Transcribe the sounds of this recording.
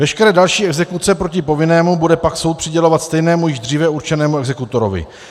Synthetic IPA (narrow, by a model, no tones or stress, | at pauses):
vɛʃkɛɾɛːdalʃiːɛɡzɛkut̪t͡sɛpɾo̞cɪpo̞vɪnɛːmubudɛpakso̞wt̪̚pr̝̥ɪɟɛlo̞vat̪st̪ɛjnɛːmujɪʒd̪r̝iːvɛuɾt͡ʃɛnɛːmuɛɡzɛkut̪o̞ɾo̰vɪ̰